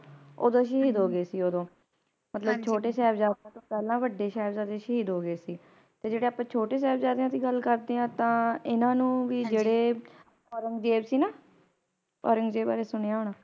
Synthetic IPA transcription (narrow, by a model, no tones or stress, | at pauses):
o̰ːd̪õːʃiɦiːd̪ɦoːɡeːsiːoːd̪õː | mət̪ləbt͡ʃʰoːʈeːsɛːbd͡ʒaːd̪ãːt̪õːpɛːlãːʋəɖːeːʃɛːbzaːd̪eːʃɦiːd̪ɦoːɡeːsiː | t̪eːd͡ʒeːɽeːaːpãːt͡ʃʰoːʈeːs̬ɛːbd͡ʒaːd̪eãːt̪iːɡəlkəɾd̪eːãːt̪ãːɪnãːnũːʋiːd͡ʒeːɽeː | ɔːɾəŋɡd͡ʒeːbsiːnaː | ɔ̰ːɾəŋɡd͡ʒeːba̰ːɾeːsʊɳ̃eːaːɦoːɳaː